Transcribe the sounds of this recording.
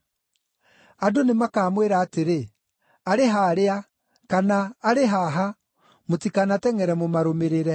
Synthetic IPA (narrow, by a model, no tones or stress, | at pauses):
adonemakaːmweɾaːteɾe | aɾeɦaːɾea | kanaːɾeɦaɦa | motikanatɛŋɛɾɛmomaɾomeɾeɾɛ